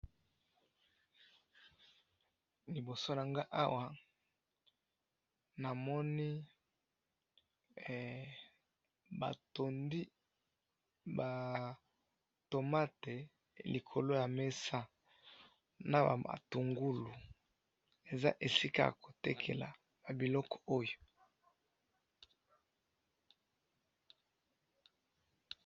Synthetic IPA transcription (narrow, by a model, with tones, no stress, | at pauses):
li˨bo˨so˦na˨ŋɡa˦ʔa˦wa˦ | na˨mɔ˦ni˦˨ | ba̰˨to˨ndi˦ | ba˨ | to˨ma˦te˨ | li˨kʰo˨lo˦ja˨me˦sa˦ | na˨ba̰˨a̰˨tu˨ŋɡu˦lu˨ | e˨za˦ʔe˨si˦ka̰˦˨ko˨tɛ˦kʰḛ˨la̰˨ | ba˨bi˨lɔ˦kɔ̥˨o˦jo˨